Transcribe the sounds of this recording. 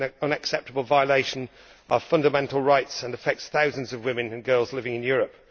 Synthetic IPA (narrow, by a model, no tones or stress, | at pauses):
ʌ̃nəksɛp̚təbəlˠvaɪəleɪʃə̃n | ʔəfʌ̃ndəmɛ̃ntʰˡl̩ˠɹaɪtsə̃nəfɛk̚tsθaʊzə̃nzʌvwɪ̃mɨ̃nɨ̃nɡɜːlˠzlɪvɪ̃ŋɪ̃njɔːɹəp̚